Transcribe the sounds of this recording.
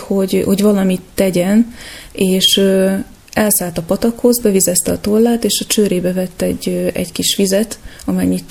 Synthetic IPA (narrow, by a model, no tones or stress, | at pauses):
ho̞ɟho̞ɟvɒlɒmit̪ːɛɟɛneːʃø | ɛlsaːlt̪ɒpɒt̪ɒkho̞zbɛvizɛst̪ɛɒt̪olːaːt̪eːʃɒt͡ʃøːɾeːbɛvɛt̪ːɛɟːøɛ̰ɟkiʃʋizɛt̪ɒmɛɲːit̪